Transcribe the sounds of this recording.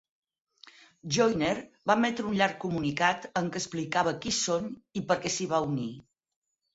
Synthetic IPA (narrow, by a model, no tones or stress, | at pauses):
ʒojneɾbamɛt̪ɾəunʎaɾkːumunikat̪əŋkəsplikaβəkisonipəɾkɛsiβ̞auni